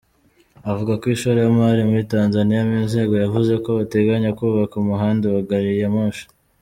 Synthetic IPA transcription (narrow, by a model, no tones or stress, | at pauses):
avuɡakwiːʃuɾo̞jamaɾimuɾitaːnzanijamiːnze̞ːɡo̞javuze̞ko̞ate̞ɡaɲakuːβakumuɦaːndewaɡaɾijemuːʃḁ